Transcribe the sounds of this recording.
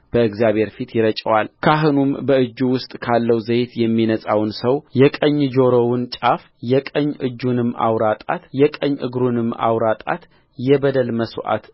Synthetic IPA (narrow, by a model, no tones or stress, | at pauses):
b̥əɨɡzjaβhe̞ɾfit̪jɪɾət͡ʃʼəwalkʰaɦɨnumbəɨd͡ʒːuwʊst̪ʼkʰalːəwzəjt̪jɛmːinəsʼawnsəwjɛkʼəɲːd͡ʒoɾowɨnt͡ʃʼaf | jɛkʼəɲːʔɨ̰d͡ʒːunɨmːa̰wɾat̪ʼa̰t̪jɛkʼəɲːʔɨ̰ɡɾunɨmːa̰wɾat̪ʼa̰t̪ | jɛbəd̪əlməswʔa̰t̪